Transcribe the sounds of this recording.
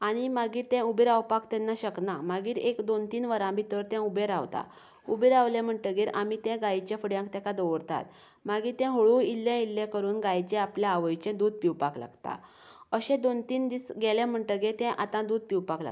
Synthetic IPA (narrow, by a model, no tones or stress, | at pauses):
aɽ̃imaɡiːɾt̪ɛ̃ubeɾawpakt̪ɛ̃nːaɕəknamaɡiːɾekd̪ont̪iːnʋəɾãbʱit̪əɾt̪ɛ̃ubeɾaʋt̪a̰ | ubeɾaʋlɛ̃m̤əɳʈəɡeɾamit̪ɛ̃ɡajt͡ɕafəɽjãŋkt̪ɛ̃kad̪əʋəɾt̪a̰t̪ | maɡiːt̪ɛ̃ɦoɭuilːjãilːɛ̃kəɾuːnɡajt͡ɕɛ̃apljaaʋəjt͡ɕɛ̃d̪uːd̪̚piwpakla̰ɡt̪a̰ | əɕɛ̃d̪ont̪iːnd̪isɡɛlɛ̃m̤əɳʈəɡet̪ɛ̃ʔat̪ãd̪uːd̪̚piwpakla̰